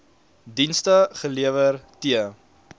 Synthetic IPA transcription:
dinstəχəliəvərtiə

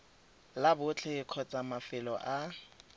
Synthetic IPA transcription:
labʊt͡ɬʰɛkʰɔt͡sʼamafɪlɔʔa

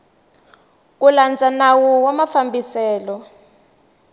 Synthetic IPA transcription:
k̬uland͡zanawɔwamafambisɛːlɔ

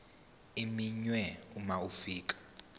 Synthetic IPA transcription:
imiɲwɛumaufiːk̬ʼḁ

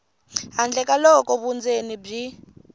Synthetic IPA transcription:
ɦand͡ɮʱɛk̬ʼalɔkɔβund͡zenib͡ʐi

